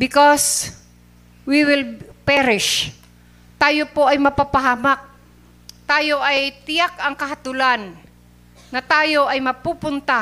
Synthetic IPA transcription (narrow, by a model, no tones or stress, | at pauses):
bɪkos | wiwɪlpɛɾɪʃ | t̪aːjopoʔɐjmɐpapɐɦaːmak̚ | t̪aːjo̞ʔɐjt̪ɪjak̚ɐŋkɐɦɐt̪ulanː | ɐt̪aːjo̞ʔɐjmɐpupʊnt̪a